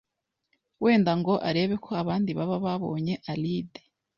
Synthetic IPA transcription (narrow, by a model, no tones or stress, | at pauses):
we̞ːndaŋɡo̞ʔaɾe̞ːβe̞kʰo̞aβaːndiβaβaβaβo̞̰ːɲe̞ʔalide